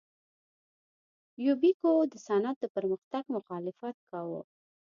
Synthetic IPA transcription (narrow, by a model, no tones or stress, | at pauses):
jubikod̪əsanat̪̚d̪əpəɾməxt̪aɡmʊxɑlɪfat̪̚kɑwo̰